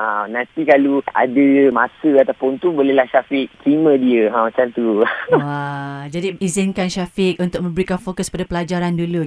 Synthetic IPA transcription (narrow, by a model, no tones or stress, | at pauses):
ãnãnt̪ikalua̰dəmãsəat̪apʊnt̪ubolɛlahʃafik̚t̪ɾimə̃diəãmat͡ʃamt̪uwad͡ʒadiizinkanʃafɪk̚unt̪ʊk̚mə̃mbəɾikanfokəskpadapəlad͡ʒaɾandulu